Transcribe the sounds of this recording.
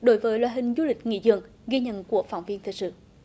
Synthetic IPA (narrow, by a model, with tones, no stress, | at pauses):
ɗo˨˦jvəː˨˦jlwaː˨˩ɦï˨˩ŋ̟zu˨˧˦lï˨˩k̟̚ŋḭ˧˥˨zɨ̰˧˨əŋ | ɣi˧ɲə̰˧˨nku˧˩əfa̰ː˧˩wŋ͡mvi˧ənt̪i˨˩k̚sɨ̰˧˨